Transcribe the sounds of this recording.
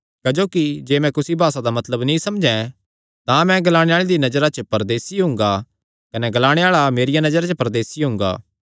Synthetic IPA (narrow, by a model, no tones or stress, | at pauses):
kɐd͡ʒoːkid͡ʒeːmɛ̃kʊsibʱaːsad̪amɐt̪ləbnĩsɐmd͡ʒɛ̃ | t̪ãmɛ̃ɡɐlaːɽ̃eaːɭed̪inɐd͡ʒəɾat͡ʃəpɐɾd̪eːsiɦʊ̃ŋɡa | kɐnɛɡɐlaːɽ̃eaːɭameːɾijanɐd͡ʒəɾat͡ʃəpɐɾd̪eːsiɦʊ̃ːŋɡa̰ː